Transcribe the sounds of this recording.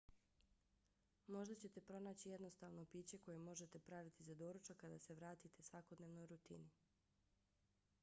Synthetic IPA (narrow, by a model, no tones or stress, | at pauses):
mo̞ʒd̪at͡ɕe̞t̪e̞pɾo̞naːt͡ɕijed̪no̞st̪aʋnopiːt͡ɕe̞ko̞jemo̞ʒe̞t̪e̞pɾaʋit̪izad̪oɾut͡ʃakad̪a̰se̞ʋɾaːt̪it̪esʋako̞d̪neːʋnojɾut̪ḭni